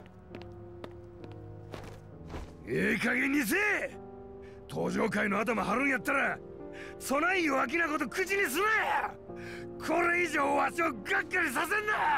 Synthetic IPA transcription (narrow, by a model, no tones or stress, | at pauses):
eːkaɡẽ̞ɲ̟ʲːis̬eː | t̪ʰo̞ːʑo̞ːkaino̞at̪̬amahaɾɯ̟̃ɰ̃jat̪ːaɾa | so̞naioak̬ʲinako̞t̪̬o̞kɯ̟t͡ɕiɲ̟is̬ɨnaa | kʰo̞ɾe̞iʑoːβaɕioːɡakːaɾʲis̬as̬ẽ̞nd̪a